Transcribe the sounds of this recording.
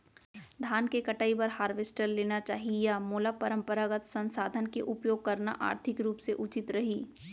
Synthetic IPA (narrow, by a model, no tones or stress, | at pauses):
d̪ʱaːnkekɐʈaːipɐɾhaːɾʋesʈəɾleːnat͡ʃaːɦijamoːlapɐɾə̃mpəɾaɡət̪sə̃nsaːd̪ʱənkeʔʊpjoːɡ̚kɐɾna̰ʔa̰ːɾt̪ʰɪkɾuːpseʔʊt͡ʃɪt̪ɾɐɦiː